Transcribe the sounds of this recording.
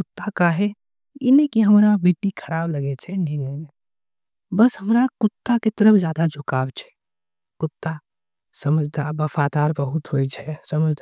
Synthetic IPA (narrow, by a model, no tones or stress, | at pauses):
kʊt̪ːakaɦɛ | ɪnẽkiɦɐmɾabeːʈikʰəɾaːblɐɡet͡ʃʰɛnʱĩɡəne | bɐsɦɐmɾakʊt̪ːaket̪əɾəfd͡ʒjaːd̪ad͡ʒʊkaːbt͡ʃʰɛ̥ | kʊt̪ːa | sɐməd͡ʒd̪ʱabɐfaːt̪aːɾbɐɦʊt̪ɦoːit͡ʃʰɛsɐməd͡ʒd̪ʱa